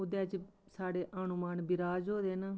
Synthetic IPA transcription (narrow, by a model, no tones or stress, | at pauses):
ʊd̪eːd͡ʒsaːɽeːʔənʊmaːnbɪɾaːd͡ʒɦoːd̪eːnaː